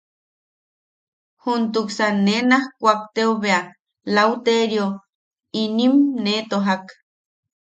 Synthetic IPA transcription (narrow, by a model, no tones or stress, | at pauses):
hunt̪uksanenahkʷak̚t̪eoβea | lauwt̪eɾjo | inimnet̪oɦak